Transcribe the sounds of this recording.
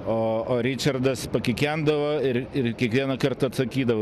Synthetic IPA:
oːoːɾʲɪt͡ʃʲɐrd̪ɐspɐkʲɪkʲænd̪ɐʋoːɪrɪrkʲiɛkʋʲiɛnɐkɐrt̪ɐɐt̪sɐkʲiːd̪ɐʋo

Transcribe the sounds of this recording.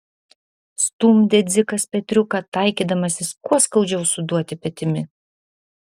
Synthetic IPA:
st̪uːmʲd̪ʲɛd̪zʲɪkɐspʲɛt̪ʲɾʲʊkɐt̪ɐɪkʲiːd̪ɐmɐsʲɪskuɔskɐʊd͡ʒʲɛʊsʊd̪uɔt̪ʲɪpʲɛt̪ʲɪmʲɪ

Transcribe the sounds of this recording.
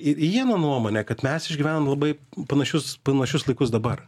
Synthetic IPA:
ɪɾʲiɛnɐnuɔmoːnʲɛkɐt̪mʲɛsɪʒʲɡʲiʋʲæːnɐmlˠɐbɐɪpɐnɐʃʲʊspɐnɐʃʲʊslˠɐɪkʊs̬d̪ɐbɐr

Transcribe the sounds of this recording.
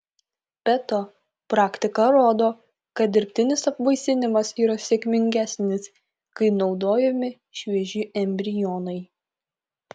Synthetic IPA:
pʲɛt̪o | pɾɑːkʲt̪ʲɪkɐɾoːd̪oː | kɐt̪̚d̪ʲɪɾʲpʲt̪ʲɪnʲɪsɐpʋɐɪsʲɪnʲɪmɐsiːɾɐsʲeɛkʲmʲɪŋʲɡʲæsʲnʲɪs | kɐɪnɒʊd̪oːjɛmʲɪ | ʃʲʋʲiɛʒʲɪʔɛmʲbʲɾʲɪjoːnɐɪ

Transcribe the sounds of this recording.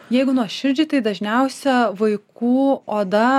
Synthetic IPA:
jɛɪɡʊnuɔʃʲɪɾʲd͡ʒʲit̪ɐɪd̪ɐʒʲnʲɛʊsʲɛʋɐɪkuːoːd̪ɐ

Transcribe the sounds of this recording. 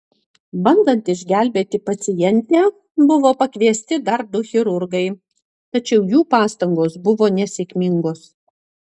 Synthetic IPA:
bɐnd̪ɐnt̪ɪʒʲɡʲæˑlʲbʲeːt̪ʲɪpɐt̪sʲɪjɛnʲt̪ʲɛː | bʊʋoːpɐkʋʲiɛsʲt̪ʲɪd̪ɐɾ̚d̪ʊxʲɪɾʊɾɡɐɪ | t̪ɐt͡ʃʲɛʊjuːpɑːst̪ɐŋɡoːsbʊʋoːnʲɛsʲekʲmʲɪŋɡoːs

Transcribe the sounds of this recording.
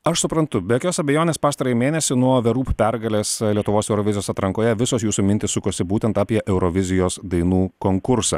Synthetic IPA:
ɐʃsʊpɾɐnt̪ʊbʲɛjoːkʲoːsɐbʲɛjoːnʲeːspɑːst̪ɐɾɐjimʲeːnʲɛsʲɪnuɔʋʲɛɾuːpʲpʲɛɾɡɐlʲeːslʲiɛt̪ʊʋoːsɛʊɾɔʋʲɪzʲɪjoːsɑːt̪ɾɐŋkoːjɛʋʲɪsoːsjuːsumʲɪnʲt̪ʲɪssʊkoɔsʲɪbuːt̪ʲɛnt̪aːpʲiɛʔɛʊɾɔʋʲɪzʲɪjoːsd̪ɐɪnuːkoŋkʊɾsɑ̰ː

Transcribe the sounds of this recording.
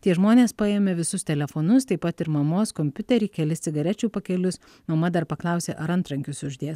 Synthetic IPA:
t̪ʲiɛʒmoːnʲeːspɑjeːmʲɛʋʲɪsʊst̪ʲɛlʲɛfoːnʊst̪ɐɪpɐt̪ɪɾmɐmoːskoːmʲpʲʊt̪ʲɛɾʲiːkʲɛlʲɪssʲɪɡɐɾʲɛt͡ʃʲuːpɐkʲɛlʲʊs | mɐmɐd̪ɐɾpɐklˠɑˑʊsʲeːʔɐɾɐnt̪ɾɐŋʲkʲʊsʊʒʲd̪ʲiɛs

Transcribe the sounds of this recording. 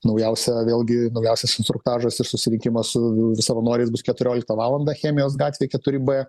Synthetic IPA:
nɐʊjɛʊsʲɛʋʲeːlˠɡʲɪnɐʊjɛʊsʲɛsɪnst̪ɾʊk̚t̪ɑːʒɐsɪɾsʊsʲɪɾʲɪŋʲkʲɪmɐssʊsɐʋɐnuːɾʲɛɪs̬bʊskʲɛt̪ʊɾʲoːlʲɪkt̪ɐʋɑːlˠɐnd̪ɑxʲeːmʲɪjoːsɡɑːt̪ʲejkʲɛt̪ʊɾʲɪbɛ

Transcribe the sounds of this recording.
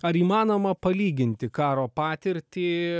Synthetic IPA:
ɐɾiːmɑːnoːmɐpɐlʲiːɡʲɪnʲt̪ʲɪkɑːɾoːpɑːt̪ʲɪɾʲt̪ʲiː

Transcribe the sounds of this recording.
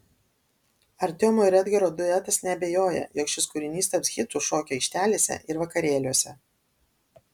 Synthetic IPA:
ɐɾʲt̪ʲoɔmoːɪɾʲɛd̪ʲɡʲɛɾoːd̪ʊɛt̪ɐsnʲɛɐbʲeːjoːjɛ̰joːkʃʲɪskʊɾʲɪnʲiːst̪ɐpsxʲɪt̪uːʃoːkʲɛɛɪkʃʲt̪ʲæːlʲeːsʲɛ̰ʔɪɾʋɐkɐɾʲeːlʲuɔsʲɛ

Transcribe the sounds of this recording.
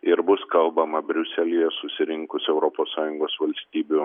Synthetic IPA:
ɪɾbʊskɐlˠbɐmɐbʲɾʲʊsʲɛlʲiːjɛsʊsʲɪɾʲɪŋkʊsɛʊɾɔpoːsɑːjʊŋɡoːsʋɐlʲsʲtt̪ʲiːbʲʊ

